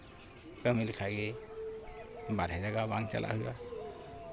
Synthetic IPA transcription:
kamilkʰaɡɛ | baɾhajzaɡabaŋt͡ʃa̰lʔa̰huja

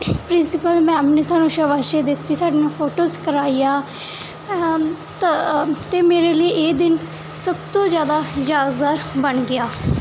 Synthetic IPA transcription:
pɾɪnsɪpəlmɛ̃ːəmpneːsaːnũːʃəʋaːʃeːd̪ɪt̪ːiːsaːɖeːnũpʰoːʈoːskəɾaːiːjaː | t̪eːmeːɾeːləiːʔeːd̪ɪn | səbt̪õːzjaːd̪aːzaːd̪ɡ̪aːɾbəɳɡɪjaː

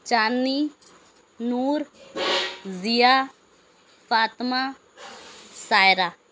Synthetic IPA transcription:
t͡ʃaːnːiː | nuːɾ | zijaː | fʰaːt̪maː | saːjɾaː

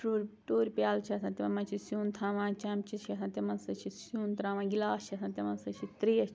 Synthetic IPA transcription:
ʈoːɾʲʈoːɾʲpjaːlt͡ʃʰiɐsʰãːt̪imɐmɐ̃nt͡ʃʰisjuːnt̪ʰãːʋãːt͡ʃaːmt͡ʃit͡ʃʰiɐsʰãnt̪ʲemɐnsɐt͡ʃʰisjuːnt̪ɾãːʋãːɡilaːt͡ʃʰiɐsʰãːnt̪ʲemɐnsɐt͡ʃʰit̪ɾiɐt͡ʃ

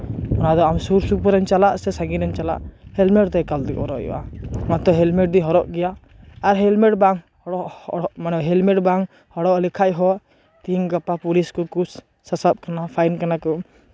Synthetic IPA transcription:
ɔnad̪ɔamsuɾsupɔɾɛmt͡ʃalaʔsɛsaɡinɛmt͡ʃala̰ʔhɛlmɛʈt̪ɛkald̪ɛkɦɔɾɔʔɔ̰ʔa̰ɔnat̪ɔɦɛlmɛʈ̚d̪iɦɔɾɔʔɡɛjaː | ɾɦɛlmɛʈbaŋ | hɔɽɔʔɔʔmanɔɦɛlmɛʈbaŋ | hɔɽɔʔlɛkʰaʔɦɔ | t̪iŋɡapapuliskɔkus | sasap̚kanapʰajnkanakɔ

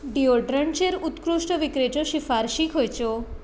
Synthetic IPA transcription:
ɖioɖɾəɳt͡ʃeɾut̪kɾuʃʈɔʋikɾet͡ʃoʃifaɾʃikɦojt͡ʃo

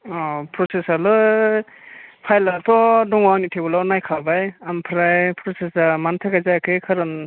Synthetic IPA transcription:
ɔpʰɾɔsesaɾlɯ | pʰajlatʰɔdɔŋwawnitʰebɔlawnajkʰabajampʰɾajpʰɾɔsesamant̪ʰaɡazakʰɯjkʰaɾɯn

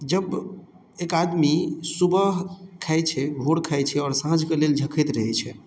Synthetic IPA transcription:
d͡ʒəb | ekad̪misubəɦkʰajt͡ʃʰɛbʱoɽkʰajt͡ʃʰɛɔːɾsãd͡ʒʱkeleld͡ʒʱəkʰɛt̪ɾəɦɛt͡ʃʰɛ

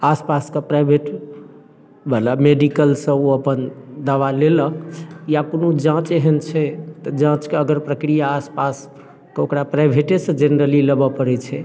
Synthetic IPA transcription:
aspaskepɾajbʱeʈ | bʱəlameɖikəlsə̃oəpənd̪aʋaleləkjakonud͡ʒãt͡ʃeɦent͡ʃʰɛt̪əd͡ʒãt͡ʃkeəɡəɾpɾəkɾijaːspas | kokɾapɾajbʱeʈesə̃d͡ʒenəɾəliləbəpəɾɛt͡ʃʰɛ

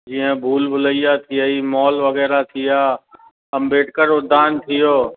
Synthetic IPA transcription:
d͡ʒiːə̃bʱuːlbʱʊləijat̪ʰijəiːmɔːlʋɐɣɛːɾat̪ʰijaː | ɐmbeːʈkəɾʊd̪aːnt̪ʰɪjoː

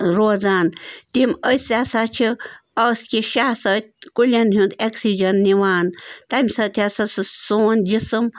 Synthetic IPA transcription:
ɾoːzaːnt̪iməsʲasat͡ʃʰiɐːskʲiʃaːsɐt̪̚ʲkulʲɐnɦũnd̪eksid͡ʒɐnːiʋaːnt̪ɐmʲsɐt̪ʲʰasɐssoːnd͡ʒisɨm

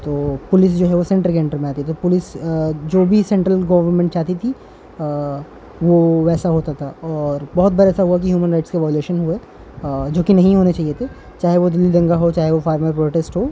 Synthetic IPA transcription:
t̪oːpʊlɪs̬d͡ʒoːɦɛʋosẽɳʈəɾkeɪ̃ɳʈəɾmẽaːt̪iɛt̪opʊlɪsd͡ʒoːbʱisɛ̃ɳʈɾəlɡɐːʋəɾmẽɳʈ̚t͡ʃaːt̪it̪ʰi | ʋoʋɛːsaɦoːt̪at̪ʰaɔːɾbɐɦʊt̪̚bɐɾaɛːsaɦuak̬iɦjuːmə̃nɾaɪʈskeʋaːjʊleːʃənɦue | d͡ʒoːkinɐɦĩɦoːnet͡ʃaːɦijet̪ʰe | t͡ʃaːɦeʋod̪ɪlːid̪ɐ̃ŋɡaɦot͡ʃaːɦeʋofaːɾməɾpɾoːʈeːsʈɦoː

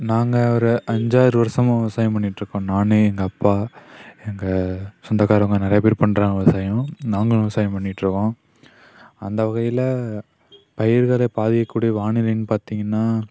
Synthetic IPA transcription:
naːŋɡɐɔɾɯʔɐɲd͡ʒaːɾɯʋɐɾsɐmɐ̃ɪʋɐsaːjɐ̃mp̬ɐɳːɪʈːɾɯkːõnaːnɯɛŋɡɐːpːaːɛŋɡɐsɔnd̪ɐkaːɾɐŋɡɐnɪɾɐjɐp̬eːɾɯpɐɳːɾãːŋɪʋɐsaːjɐ̃naːŋɡɐɭ̃ɪʋɐsaːjɐ̃mpɐɳːɪʈːɾɯkːõː | ɐnd̪ɐʋɐɣɐjɪlɐ | pɐjɪɾɣɐɭeːpaːðɪjɐkːuːɽijɐʋaːɳɪlɐnːɯpaːɾt̪iːŋɡɐnːaː

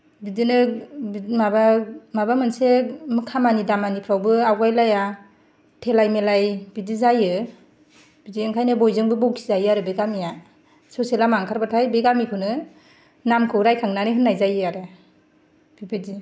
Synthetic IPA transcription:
bidinɯ | mabamabamɯnsemɯkʰamanidamanipʰɾawbɯawɡajlaja | tʰelajmelajbidizajɯ | b̥idieŋkʰajnɯbɔjzɯŋbɯbowkʰizajɯaɾɯbeɡamija | soselamaŋkʰaɾbatʰajbeɡamipʰɯnɯ | namkʰɯwɾajkʰaŋnanɯɦɯnːajzajɯaɾɯ | b̥ibedi

